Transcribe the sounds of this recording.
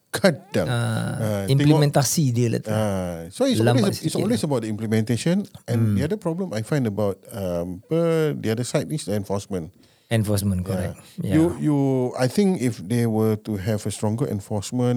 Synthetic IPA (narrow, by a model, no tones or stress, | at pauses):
kʰadãaĩmplimɛ̃nt̪asidilɛ̰t̪asoiswessitsɔlwesəbaʊt̚dəĩmplimɛ̃nteʃə̃nʔɛ̃ndiadəpɹɔblə̃majfãj̃ndəbawt̚ʌmpədiadəsajtisdəɛ̃nfɔsmə̃n | ɛ̃nfɔsmə̃nkɔaɛ̰jaujuajt̪ĩŋkifdewətuɦɛvəstɹɔ̃ŋɡəʔɛ̰̃nfɔsmə̃n